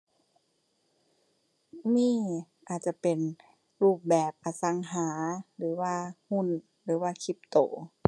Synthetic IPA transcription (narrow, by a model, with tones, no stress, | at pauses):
miː˧˥˩ʔaː˨˩t̪̚t͡ɕa˧˦pe˨˩n | ɾuː˧˥˩p̚bɛː˨˩p̚ʔa˨˧˩sa˧˦ŋɦaː˨˩˦lɯː˨˩˦waː˧˨hu˧˥˨n | lɯː˩˦waː˧kʰi˧˩p̚t̪oː˨˦